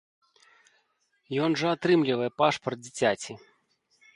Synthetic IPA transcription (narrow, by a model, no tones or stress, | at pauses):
jɔnʐɐat̪ɾɨmlʲivɐjɛpaʂpɐrt̪̚d͡zʲit͡sʲat͡sʲi